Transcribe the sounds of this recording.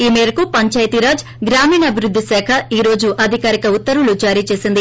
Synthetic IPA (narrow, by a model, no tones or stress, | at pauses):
iːmeːɾɐkupɐɲt͡ʃaːjt̪iɾaːd͡ʒ | ɡɾaːmiːnɐɐbʱiɾud̪ʱːisɛːkʰɐiːɾo̞ːd͡ʒuʔɐd̪ʱikaːɾikɐut̪ːɐɾulud͡ʒaːɾiːt͡ʃeːsind̪i